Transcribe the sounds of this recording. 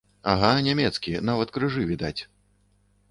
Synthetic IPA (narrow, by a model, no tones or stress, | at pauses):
aɣanʲamʲɛt̪skʲinavɐt̪kɾɨʐɨvʲid̪at͡sʲ